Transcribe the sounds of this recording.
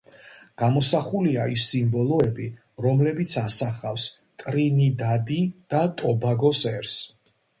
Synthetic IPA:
ɡ̥amɔsaχuliaisːimbɔlˠɔɛbi | ɾɔmlɛbit̪sʰasaχafst̪ʼɾinid̪ad̪id̪̥at̪ʼɔbaɡɔsɛɾs

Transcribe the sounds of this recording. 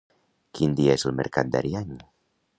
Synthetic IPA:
kind̪iaeselmḛɾka̰t̪̚d̪a̰ɾiaɲ

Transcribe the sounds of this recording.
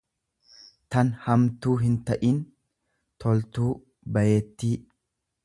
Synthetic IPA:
t̪ɐnhɐmt̪uːɦɪnt̪ɐʔiːn | t̪ʰɔlt̪uː | bɐjeːt̪ːiː

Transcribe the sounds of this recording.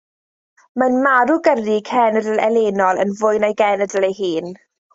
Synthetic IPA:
manmaɾuɡərikʰɛnədəlɛleːnɔlˠə̰nvʊɨnajɡɛnədəlejɦiːn

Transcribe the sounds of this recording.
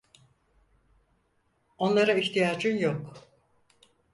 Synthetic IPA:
o̞nlˠaɾaiçt̪ʰijaːd͡ʒɯnjok

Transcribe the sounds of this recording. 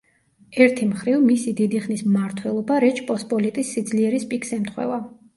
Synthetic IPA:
ɛɾt̪ʰimχɾivmisid̪id̪iχnismaɾt̪ʰwɛlˠɔbaɾɛt͡ʃʰpʼɔspʼɔlit̪ʼisːid̪zliɛɾispʼikʰsɛmt̪ʰχwɛ̰va

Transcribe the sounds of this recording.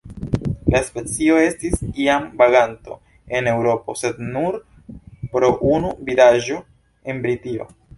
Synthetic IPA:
laspe̞t͡sio̞e̞stisiambaɡanto̞̰ | e̞ne̞wɾo̞po̞̰se̞dnuɾ | pɾo̞ʔunuvilaʒo̞ | e̞nbɾitio̞̰

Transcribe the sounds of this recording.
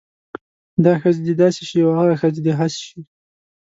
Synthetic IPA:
d̪ɑxəzd̪ed̪ɑseʃiawaɣaxəzed̪eɦasʃi

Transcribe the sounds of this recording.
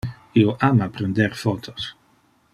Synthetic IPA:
ioʔamapɾend̪eɾfot̪ʰos

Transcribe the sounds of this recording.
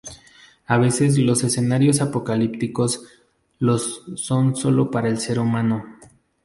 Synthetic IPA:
aβ̞e̞se̞z̬lo̞se̞se̞naɾjo̞s̬apo̞kalip̚t̪iko̞s | lo̞so̞nso̞lo̞paɾaelse̞ɾumãno̞

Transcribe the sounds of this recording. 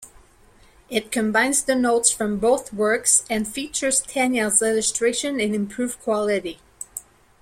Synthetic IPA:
ɪt̚kʰɨ̃mbãɪ̃nzðɨnoʊtsfɹʌ̃mboʊθwɜ˞ksɨ̃nfit͡ʃə˞z̥tʰæ̃njɛlzɹɛd͡ʒɨstɹ̥eɪʃɨ̃nɨ̃nɨ̃mpʰɹ̥ʉv̥kʰw̥ɑlˠɨɾi

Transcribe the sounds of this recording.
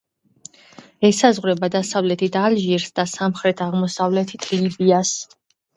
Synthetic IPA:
ɛsazʁɾɛbad̪asavlɛt̪ʰit̪ʰalʒiɾsd̪asamχɾɛt̪ʰaʁmɔsavlɛt̪ʰit̪ʰlibias

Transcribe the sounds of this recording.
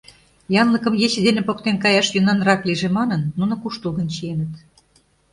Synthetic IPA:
jɑnləkə̆mjet͡ɕĕd̪enepokt̪enkɑjɑʃjunɑnrɑkliʒemɑnənːunŏkuʃt̪ulˠɡə̆nt͡ɕienə̆t̪

